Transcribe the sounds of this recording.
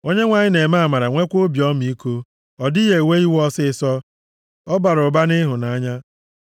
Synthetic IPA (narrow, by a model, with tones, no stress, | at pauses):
o˦ɲe˦ŋʷa˨ɲɪ˦ne˨ma˦a˨ma˨ɾa˨ŋʷe˦kʷo˦bjɔ˦mi˨˦ko˦ | ɔ˨dɪ˦ɦe˨we˦i˦wɔ˦sɪ˦sɔ˦ | ɔ˦ba˨ɾʊ˨ba˦nɪ˦ɦʊ˨na˨˦ɲa˦